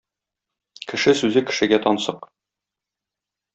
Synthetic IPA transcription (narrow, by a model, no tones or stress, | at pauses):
kɘ̆ʃɘsʉzɘkɘ̥̆ʃɘ̆ɡæt̪ɒnsɤq